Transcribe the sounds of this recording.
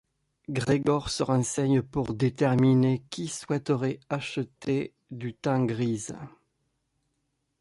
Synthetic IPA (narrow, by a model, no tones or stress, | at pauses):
ɡʁeɡɔʁsəʁɑ̃sɛɲpuʁd̪et̪ɛʁminekʲiswɛt̪əʁɛaʃət̪e | d̪yt̪ɑ̃ɡʁiz